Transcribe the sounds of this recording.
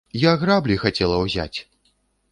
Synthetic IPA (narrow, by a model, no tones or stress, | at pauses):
jaɣɾablʲixat͡sʲɛlˠɐwzʲa̰t͡sʲ